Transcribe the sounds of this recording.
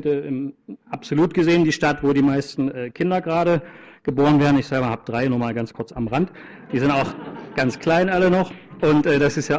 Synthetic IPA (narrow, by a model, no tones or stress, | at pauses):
təʔɪmʔapz̥oluːtɡ̥əzeːəndiːʃtatvoːɾiːmaɪstn̩ʔɛːkʰɪndɐɡʁaːɾə | ɡ̥əboːʁənveːɐʁn̩ɪçz̥ɛlbɐhaːbəd̥ʁaɪnuːɐmaːlɡant͡skʰʊɐt͡samʁant | d̥iːzɪntaʊxɡ̥ant͡skʰl̥aɪnʔalənɔχʔʊntʔɛːdasɪstjaː